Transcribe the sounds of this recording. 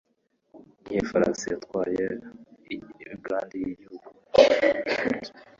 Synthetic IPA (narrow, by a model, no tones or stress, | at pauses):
iɲefaɾa̰nsijatkwaːje | ɾiɡaːndijiɟihuɡu